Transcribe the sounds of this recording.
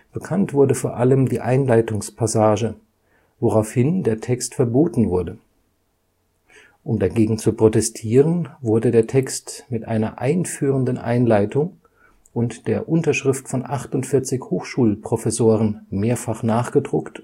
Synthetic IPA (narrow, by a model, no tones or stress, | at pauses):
b̥əkʰantv̥ʊɐdəfoːɐʔaləmdiːʔaɪnlaɪtʊŋspʰasaːʒə | voʁaʊfhɪndeːɐtʰɛkstfɛɐboːtn̩vʊɐdə | ʔʊmdaɡeːɡŋ̩t͡supʁ̥otɛstʰiːʁ̞ənvʊɐdədeːɐtʰɛkstmɪtʔa̰ɪnɐ̰ʔaɪnfyːʁəndənʔa̰ɪnlaɪtʰʊŋ | ʔʊntd̥eːɐʔʊntɐʃʁ̥ɪftfɔnʔaχtʊntfɪɐt͡sɪçhoːxʃuːlpʁ̥ofɛsoːʁ̞ənmeːɐfaχnaːχɡ̥ədʁʊkt